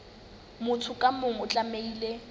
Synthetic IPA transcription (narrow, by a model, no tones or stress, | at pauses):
mʊtʰʊkʼamʊŋ̩ʊt͡ɬʼameiːle